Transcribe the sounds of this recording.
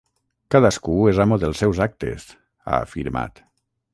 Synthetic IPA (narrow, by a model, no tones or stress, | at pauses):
kaðaskuezamoðelˠsːɛwzak̚t̪ḛs | a̰ːfiɾma̰t̪